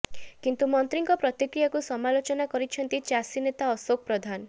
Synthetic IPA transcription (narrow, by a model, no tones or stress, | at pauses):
kint̪umɔnt̪ɾiŋkɔpɾɔt̪ikɾijakusɔmalot͡ʃɔnakɔɾit͡ʃʰɔnt̪it͡ʃasinet̪aɔsok̚pɾɔd̪ʱan